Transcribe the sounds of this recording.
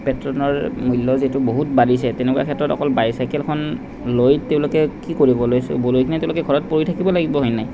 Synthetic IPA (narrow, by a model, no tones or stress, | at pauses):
pɛtɹɔnɔɹmulːɔzetʊboɦut̚baɹis̬ɛtɛnɛkuwa̰kʰɛtɹɔtɔ̰kɔlbajsajkɛlkʰɔn | lojteʊ̃lokɛkikoɹibɔlojsʊ̰bolojkʰinɛteʊ̃lokɛɡʱɔɹɔt̚poɹitʰakibɔlaɡibɔɦojnaj